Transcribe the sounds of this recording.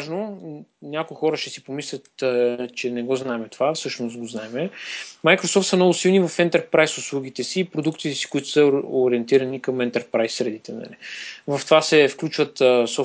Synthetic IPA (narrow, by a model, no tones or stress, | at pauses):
aʒnonʲakʊixɔɾəʃɛsipomislʲɐt̪t͡ʃɛnɛɡɔznaɛmɛt̪ovafsɤʃnost̪̚ɡoznaɛmɛmajkɾosɔft̪səmnɔɡʊsilˠnivɐfɛnt̪ɛɾpɾajsʊslˠuɡ̟it̪ɛsiːpɾod̪ukt̪it̪ɛsi̥kʊit̪ʊ̥səoɾiɛnt̪iɾɐnikəmɛnt̪ɛɾpɾajsːɾɛd̪it̪ɛnɐ̰livɐft̪ovasɛfklʲut͡ʃvət̪sɔ